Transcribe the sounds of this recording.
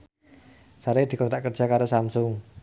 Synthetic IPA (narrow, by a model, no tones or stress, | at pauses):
saɾed̪̥i̤kɔt̪ɾaʔkərdd͡ʒ̥a̤kaɾosamsʊŋ